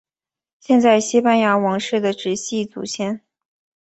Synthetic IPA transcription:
ɕjɛ˥˧nt͡sa˥˩ɪɕi˥pa˥˧nja˧˥wɑ˧˥ŋʂɻ̩˥˩d̪ə˩ʈ͡ʂɻ̩˧˥ɕi˥˩t͡sṵ˨˩ɕʰjɛ˥˩n

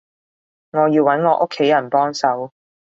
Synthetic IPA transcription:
ŋɔː˨˧jiː˧wːɐ˨˥nŋɔː˨˧˥ʔʊ˥kʰːe˨˥jɐ˨˩npɔː˥ŋsɐ˨˥w

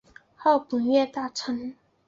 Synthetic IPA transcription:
hɑ˥˩ʊpə˨˩ŋɥɛ˥˧t̪a˥˩ʈ͡ʂʰə˧˥ŋ

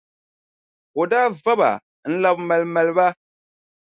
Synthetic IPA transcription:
o˨daː˦va˦ba̰˨ | n̩˦la˦bma˨lma˨lɨ˦ba˦

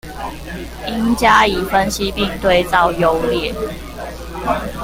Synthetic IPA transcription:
i˦ŋt͡ɕja˦i˨˩fə˦nɕi˦pi˥˨ŋt̪we˥˨ɪt͡sɑ˥˨ʊjo˦ʊljɛ˥˨

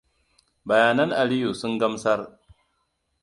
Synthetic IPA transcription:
bɐ˨jaː˦nɐ˦ŋʔa˨li˦ju˨sʊ˦ŋɡɐ˦msɐ˦r

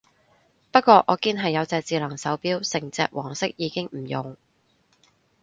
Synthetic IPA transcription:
pɐ˥t̚kʷːɔː˧ʔɔː˨˧kiː˧˥nɦɐ˨jːɐ˨˧wt͡sɛː˨k̚t͡siː˨lɐ˨˩ŋsɐ˨˥wpiː˥wsɪ˨˩ŋt͡sɛː˨˧k̚wʔɔː˨˩ŋsɪ˥k̚jiː˨˧kɪ˥ŋm̩˨˩jʊ˨ŋ

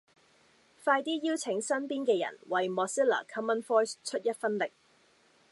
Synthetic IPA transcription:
faː˧jt̪iː˥jiː˥wt͡sʰɪ˨˥ŋsɐ˥npiː˥nkɛː˧jɐ̰˨˩nwɐ˨jmɔː˧si˥lɐ̰ː˨˩kʰɐ˥mə˥nfɔː˥jst͡ʃʰɵ˥t̚jɐ˥t̚fɐ˥nlɪ˨k̚

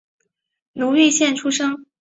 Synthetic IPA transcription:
nu˧˥li˥˧ɕjɛ˥˩nʈ͡ʂʰu˥ʂɤ˥ŋ

